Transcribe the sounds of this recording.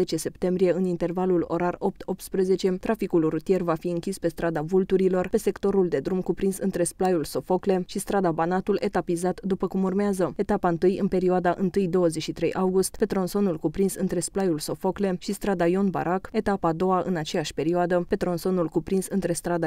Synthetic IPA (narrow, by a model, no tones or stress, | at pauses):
et͡ʃe̞se̞pt̪e̞mbɾije̞ɨnint̪e̞rvalulo̞̰ɾaro̞p̚t̪ʰo̞p̚t̪spɾeze̞t͡ʃe̞t̪ɾafikulrut̪ije̞rvafiɨŋkʲispe̞st̪ɾad̪avult̪uɾilo̞rpe̞se̞kt̪o̞ɾuld̪e̞d̪ɾumkupɾinsɨnt̪ɾe̞splajulso̞fo̞kle̞ʃist̪ɾad̪abanat̪ule̞t̪apizat̪d̪upəkumurmeazəe̞t̪apaɨnt̪ɨjɨnpe̞ɾioad̪aʔɨnt̪ɨjd̪o̞wəzet͡ʃʃit̪ɾe̞̰jʔawɡust̪pe̞t̪ɾo̞nso̞nulkupɾinsɨnt̪ɾe̞splajulso̞fo̞kle̞ʃist̪ɾad̪ajo̞nba̰ɾʔake̞t̪apaːd̪o̞waʔɨnat͡ʃe̞jaʃʲpe̞ɾioad̪əpe̞t̪ɾo̞nso̞nulkupɾinsɨnt̪ɾe̞st̪ɾad̪a